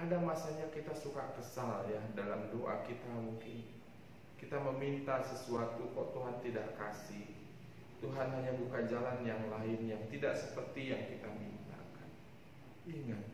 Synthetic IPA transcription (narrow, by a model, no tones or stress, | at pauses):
ʔadamasaɲakit̪asukakəsaljadalamdoʔa̰kit̪amuŋkɪn | kit̪aməmint̪asəsuat̪ukɔʔt̪uɦant̪idaʔkasɪh | t̪uɦanɦaɲabukand͡ʒalanjaŋlaɪnjaŋt̪idaʔsəpərt̪ijaŋkit̪amint̪a̰kan | iŋat̪̚